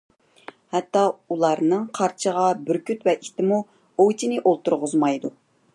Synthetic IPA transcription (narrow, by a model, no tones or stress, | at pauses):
hɛt̪ːɑulˠɑɾnɨŋqʰɑɾt͡ʃʰəʁɑbyɾkʲʰyt̪vɛʔit̪ɪmu | ojt͡ʃ̪ʰinɪʔolˠt̪uɾʁʊzmɑjd̪u